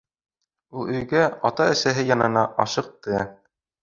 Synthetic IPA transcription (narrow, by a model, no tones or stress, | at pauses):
ulˠɵ̆jɡæɑt̪ɑɘ̆sæɦɘjɑnɤnɑʔɑʃɤ̆q̚t̪ɤ